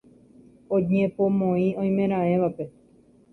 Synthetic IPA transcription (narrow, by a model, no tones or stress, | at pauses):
õɲẽpomõĩõj̃mẽ̞ɾ̃ãẽʋape